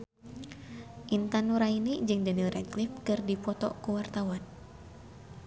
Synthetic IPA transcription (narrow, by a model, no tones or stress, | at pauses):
ʔint̪anuɾainid͡ʒɨŋdənilɾɛklifkɨrdifɔt̪ɔ̰kuwart̪awan